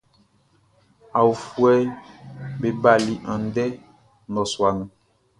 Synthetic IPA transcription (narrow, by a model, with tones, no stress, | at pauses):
a˨u˨fwɛ˦ | be˨ba˨li˨ʔã˨n˦dɛ˦ | nɔ˨swa˨ŋ˦